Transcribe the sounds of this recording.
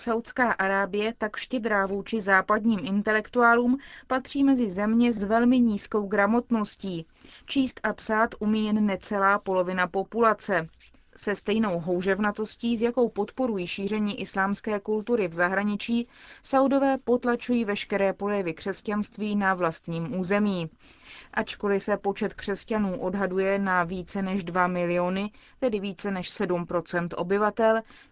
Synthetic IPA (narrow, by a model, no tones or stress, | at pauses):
sawt̪skaːʔaɾaːbɪjɛt̪akʃcɛd̪ɾaːvuːt͡ʃɪzaːpadɲiːmʔɪnt̪ɛlɛkt̪uaːluːmpat̪r̝̥iːmɛzɪzɛmɲɛzvɛlmɪɲiːsko̞wɡɾamo̞t̪no̞sciː | t͡ʃiːst̪ʔapsaːt̪ʔumiːjɛnːɛt͡sɛlaːpo̞lo̞vɪnapo̞pulat͡sɛ | sɛst̪ɛjno̞wɦo̞wʒɛvnat̪o̞sciːzjako̞wpo̞t̪po̞ɾujiːʃiːr̝ɛɲiːʔɪslaːmskɛːkult̪uɾɪvzaɦɾaɲɪt͡ʃiːsawdo̞vɛːpo̞t̪lat͡ʃujiːvɛʃkɛɾɛːpolɛvɪkr̝̥ɛscanst̪viːnavlast̪ɲiːmʔuːzɛmiː | ʔat͡ʃko̞lɪsɛpo̞t͡ʃɛt̪kr̝̥ɛscanuːʔo̞dɦadujɛnaviːt͡sɛnɛʒdvamɪlɪo̞nɪt̪ɛdɪviːt͡sɛnɛʃsɛdumpɾo̞t͡sɛnt̪ʔo̞̰bɪvat̪ɛl